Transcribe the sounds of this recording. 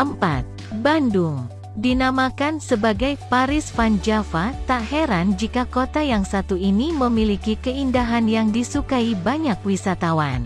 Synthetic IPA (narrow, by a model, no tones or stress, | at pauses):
əmpa̰t̪̚ | banduŋ | dinamakansəbaɡajpaɾɪsfand͡ʒafat̪aheɾand͡ʒikakot̪ajaŋsat̪uiniməmilikikəindaɦanjaŋdisukaibaɲak̚wisat̪awan